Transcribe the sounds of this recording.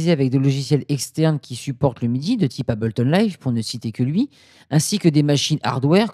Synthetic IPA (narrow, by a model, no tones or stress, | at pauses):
zeavɛk̚d̪elɔʒisjɛlɛkst̪ɛʁnkʲisypɔʁt̪ləmid̪id̪ət̪ʰipabɔlt̪ɔnlajvpuʁnəsit̪ekʲəlɥi | ɛ̃sikʲəd̪emaʃina̰ʁd̪wɛʁ